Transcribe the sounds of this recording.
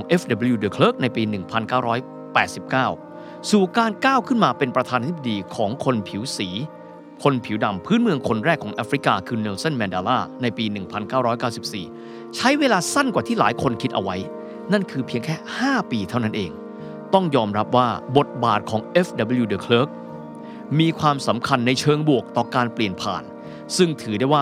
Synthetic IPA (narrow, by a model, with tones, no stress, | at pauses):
ŋʔe˦˥fda˧bə˧˦juː˧də˧˩kʰlɤː˦˥k̚na˧jpiː˧nɯ˨˩ŋpʰa˧nkaː˥˩wɾɔː˦˥j | pɛː˨˩t̪̚si˨˩p̚kaː˥˩w | suː˨˩kaː˧nkaː˥˩wkʰɯ˥˩nmaː˧pe˧npɾa˧t̪ʰaː˧naː˧i˥b̚a˧diː˧kʰɔː˩˦ŋkʰo˧npʰi˩˦wsiː˩˦ | kʰo˧npʰi˨˩˦wda˨˩mpʰɯː˦˥nmɯ˧əŋkʰo˧nɾɛː˥˩kʰːɔː˩˦ŋʔaː˦˥fɾi˦˥kaː˧kʰɯː˧nɛː˧wsa˥˩nmɛː˧ndaː˧laː˥˩na˧jpiː˧nɯ˨˩ŋpʰa˧nkaː˥˩wɾɔː˦˥jkaː˥˩wsi˨˩p̚siː˨˩ | t͡ɕʰa˦˥jweː˧laː˧sa˥˩nkwaː˨˩t̪ʰiː˥˩laː˩˦jkʰo˧nkʰi˦˥t̪̚ʔa̰˧wa˦˥j | na˥˩nkʰɯː˧pʰi˧əŋkʰɛː˥˩haː˥˩piː˧t̪ʰa˥˩wna˦˥nʔeː˧ŋ | t̪ɔ˥˩ŋjɔː˧mɾa˦˥p̚waː˥˩bo˨˩t̪̚ba̰ː˨˩t̪̚kʰɔː˩˦ŋʔe˦˥fda˧bə˧˩juː˧dəː˧˩kʰlɤ˦˥k̚ | miː˧kʰwaː˧msa˩˦mkʰa˧nːa˧jt͡ɕʰɤː˧ŋbu˨˩ək̚t̪ɔː˨˩kaː˧npli˨˩ənpʰa̰ː˨˩n | sɯ˥˩ŋt̪ʰɯː˩˦da˥˩jwaː˥˩